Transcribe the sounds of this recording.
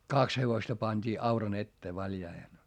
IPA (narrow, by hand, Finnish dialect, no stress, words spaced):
kɑks heʋostɑ pɑnʲd̥iː ɑurɑn etːeː ʋɑljɑihen